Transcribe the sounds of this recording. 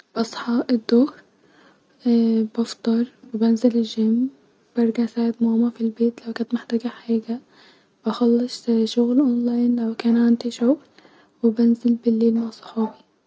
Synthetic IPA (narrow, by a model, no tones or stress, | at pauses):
b̥ɑsˤħɑʔɪd̪ːʊːh | bɑft̪ˤɑɾˤwɪbanzɪlɪʒɪm | b̥ɑɾˤɡasaːʕɪd̪moːmafilbeːt̪lawkant̪mɪħt̪aːɡaħaːɡa | b̥axɑlːɑsˤʃʊɣlʔonlaːjnlawkaːnʕand̪iʃʊɣl | wɪbanzɪlbɪlːiːlmaʕsˤɑ̥ħɑːbi